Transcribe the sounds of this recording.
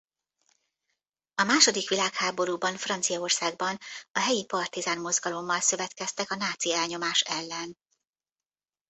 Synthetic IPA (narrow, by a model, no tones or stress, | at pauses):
ɒmaːʃo̞d̪ikʋilaːkhaːbo̞ɾuːbɒnfrɒnt̪sijɒorsaːɡ̚bɒnɒɦɛjipɒrt̪izaːnmo̞zɡɒlo̞mːɒlsø̞vɛt̪kɛst̪ɛkɒnaːt̪siɛlɲo̞maːʃɛlːɛn